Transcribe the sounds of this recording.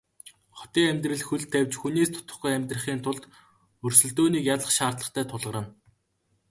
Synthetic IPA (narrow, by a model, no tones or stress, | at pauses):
χɔ̥t̪iːŋæmʲt̪rɘ̆ɮxɵɮt̪ʰːæwʲt͡ɕxuneːst̪ʰʊ̥t̪ə̥̆χɡujæmʲt̪rə̆χiːnt̪ʰʊɮt̪ | ɵrsɵ̆ɮt̪oːniːkjaɮə̆χʃaːrt̪ɮə̆χt̪ʰæːt̪ʰʊɮʁə̆ɾə̆n